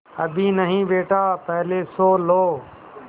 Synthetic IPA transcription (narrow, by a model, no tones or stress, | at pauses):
ɐbʱinəɦĩbeːʈaːpɛɦlesoːloː